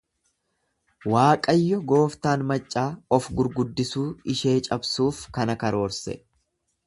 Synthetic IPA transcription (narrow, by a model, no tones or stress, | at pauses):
waːkʼɐjːɔɡo̞ːft̪aːnmɐt͡ʃʼːaːɔfɡʊɾɡʊd̪ːɪsuːɪʃe̞ːt͡ʃʼɐbsuːfkɐnɐkɐɾo̞ːɾsɛ̰